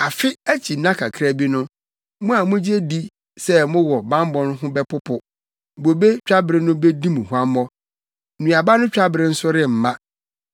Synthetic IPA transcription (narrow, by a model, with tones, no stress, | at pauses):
a˨fɪ˦æ˦t͡ɕʰi˨nã˦kʰa˨kʰɾa˦bi˦nʊ̃˦ | mʊ̃˦a˨mʊ̃˦d͡ʑi˦e˦di˦ | sɛ˦mʊ̃˦wɔ˨bã˦m˦bɔ̃˦n˦ɦʊ̃˦bɛ˦pʰʊ˦pʰʊ˨ | bo˨be˦t͡ɕᶣa˦bɪ˨ɾɪ˦nʊ̃˦be˦dĩ˦mũ˨hu˨˦a˦mɔ˦˨ | nũ˨a˨ba˦nʊ̃˦t͡ɕᶣa˦bɾɪ̃˦n̩˦sʊ˦ɾɪ˦˨m̩˨mã˦